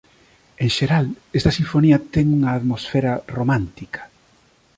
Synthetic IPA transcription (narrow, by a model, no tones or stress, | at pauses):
eŋʃeɾalest̪ɐsiɱfoniɐt̪ɛŋuŋɐːðmosfeɾɐromãnt̪ikʰɐ̥